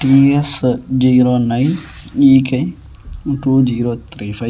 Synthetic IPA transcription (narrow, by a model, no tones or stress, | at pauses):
ʈiɛsd͡ʒiːɾonajn | iːke | ʈud͡ʒiːɾot̪ɾifa